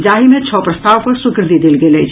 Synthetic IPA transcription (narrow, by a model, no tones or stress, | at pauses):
d͡ʒaːɦimẽt͡ʃʰɔːpɾɐst̪aːʋpɐɾsʊkɾd̪id̪ilɡelet͡ʃʰ